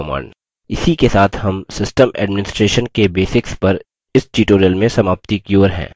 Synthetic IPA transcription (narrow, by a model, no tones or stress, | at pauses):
ma̰ːɳɖ | ɪsikesaːt̪ʰhɐmsɪsʈəmɛ̰ːɖmɪnɪsʈɾeːʃənkebeːsɪkspɐɾ | ɪsʈiːʈoːɾijəlmẽsɐmaːp̚t̪ikjoːɾɦɛ̰̃ː